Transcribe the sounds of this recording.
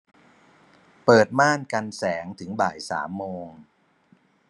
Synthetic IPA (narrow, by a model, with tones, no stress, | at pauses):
pɤː˨˩t̪̚maː˥˩nka˧nsɛː˩˦ŋt̪ʰɯ˩˦ŋba̰ː˨˩jsa̰ː˩˦mːoː˧ŋ